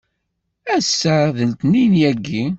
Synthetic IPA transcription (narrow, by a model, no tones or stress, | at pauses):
æsːæðəlt̪ninjæɡːi